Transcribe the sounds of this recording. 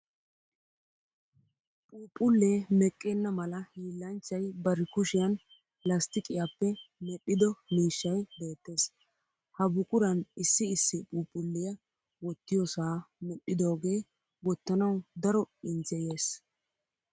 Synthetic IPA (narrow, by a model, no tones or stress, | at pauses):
pʼuːpʼːʊlːeːmɛkʼːenːɐmɐlɐhiːlːɐnt͡ʃːɐjbɐɾɪkʊʃɪjɐn | lɐst̪ɪkʼɪjapːɛmɛɗːɪd̪ɔmiːʃːɐjbe̞ːt̪ːe̞ːs | hɐbʊkʼʊɾɐnɪsːɪɪsːɪpʼuːpʼʊlːɪjɐ | wɔt̪ːɪjɔsaːmɛɗːɪd̪o̞ːɡe̞ː | wɔt̪ːɐnɐwd̪ɐɾɔɪnzɛjeːs